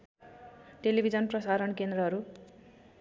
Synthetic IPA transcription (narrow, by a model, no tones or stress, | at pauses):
ʈelibʱid͡zʌnprʌsaɾʌnkend̪ɾʌɦʌɾu